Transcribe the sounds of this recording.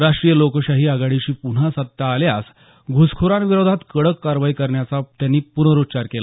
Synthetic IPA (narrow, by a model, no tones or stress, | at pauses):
ɾaʂʈɾijəlokəɕaɦiːaɡaɽiɕiːpuɳ̤asət̪ːaːljas | ɡʱuskʰoɾãnʋiɾod̪ʱat̪kəɽəkːaɾʋaikəɾɳjat͡sat̪janːiːpunəɾutːt͡ɕaɾkela